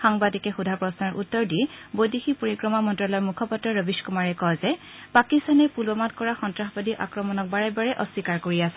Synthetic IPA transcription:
xaŋbadikɛxudʱapɹɔsnaɹʔutːɔɹdibojdixipoɹikɹɔmamɔntɹɔlɔjmukʰɔpɔtɹɔɹəbiskumaɹɛkɔzɛ | pakistanɛpulbɔmatkɔɹaxɔntɹaxbadiʔa̰kɹɔmɔnɔk̚baɹɛbaɹɛʔɔswikaɹkoɹiasɛ̥

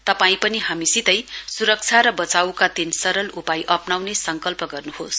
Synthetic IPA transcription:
t̪ʌpaĩpʌniɦamisit̪ʌjsuɾʌk̚t͡sʰaɾʌbʌt͡sawkat̪insʌɾʌlupajʔʌpnawnesʌŋkʌlpʌɡʌrnuhos

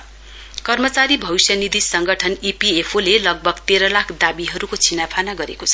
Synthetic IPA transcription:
kʌrmʌt͡saɾibʱʌwisjʌnid̪isʌŋɡʌʈʰʌnipiepʰolelʌɡ̚bʱʌɡt̪eɾʌlakʰd̪abiɦʌɾukot͡sʰinapʰanaɡʌɾḛkot͡sʰʌ̥

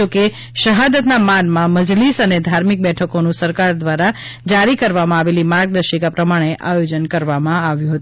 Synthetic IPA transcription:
oke | ʃəɦad̪ət̪namanmãməd͡ʒlisəned̪ʱaɾmik̚bɛʈʰəkonũsəɾkaɾd̪ʋaɾa | d͡ʒaɾikəɾʋamãaʋelimaɾɡ̚d̪əɾʃikapɾəmaɽ̃eʔajod͡ʒənkəɾʋamãaʋjũɦət̪u

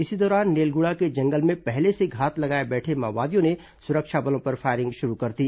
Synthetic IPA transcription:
ɪsid̪ɔːɾaːnːeːlɡʊɽaked͡ʒɐ̃ŋɡəlmẽpɛɦleseɡʱaːt̪lɐɡaːebɛːʈʰema̰ːʋaːd̪ijõne | sʊɾəkʃabɐlõpɐɾfaːɪɾɪ̃ŋɡʃʊɾukɐɾt̪iː

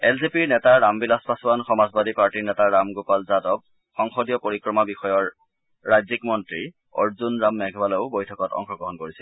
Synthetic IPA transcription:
ɛlzipiɹnɛtaɹːambilaspasʊwanxɔmazbadipaɹtiɹnɛtaɹamɡopalzadɔb̚ | xɔŋxɔdijɔpoɹikɹɔmabixɔjɔɹː | ajzikmɔntɹi | ɔ̰ɹzunɹamːɛɡʱbalɔʊbojtʰɔkɔtɔ̰ŋxɔɡɹɔɦɔnkoɹisɛl

